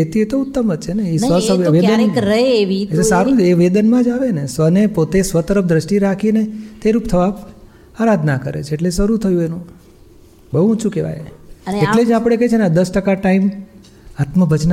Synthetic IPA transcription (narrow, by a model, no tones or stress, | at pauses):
et̪iet̪oʊt̪ːəmət̪̚t͡ʃʰeneisʋəʋed̪ənɾəeʋiesaɾũt͡ʃeʋed̪ənmãd͡ʒaʋenesʋənepot̪esʋət̪əɾəpd̪ɾəʃʈiɾakʰinet̪eɾupt̪ʰəʋab | aɾad̪ʱnakəɾḛt͡ʃʰeːʈlesəɾut̪ʰəjũenũ | bəɦuũt͡ʃʰũkeʋa̰j̰eʈled͡ʒapɽ̃ekəet͡ʃʰenad̪əsʈəkaʈaim | at̪məbʱəd͡ʒn